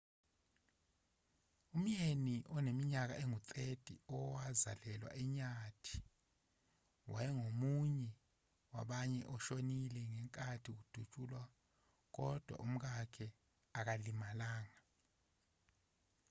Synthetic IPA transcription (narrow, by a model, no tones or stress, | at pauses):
um̩jeniʔɔnemiɲak̬a̰ʔeŋutʼʰetʼḭɔwaza̰lɛlwa̰ʔɛɲatʰi̥ | wʔa̰jɛŋomuɲɛ | wa̰ɓaɲɛʔɔʃonilɛŋɛŋkʼatʰik̬ud̥ʱut͡ʃʼuːlwa | k̬ɔd̥ʱwa̰ʔum̩k̬akʰɛ | ak̬alimalaːŋa